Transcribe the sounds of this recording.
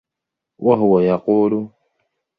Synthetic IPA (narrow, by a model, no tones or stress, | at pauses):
wʔaɦʊwajaquːlʊ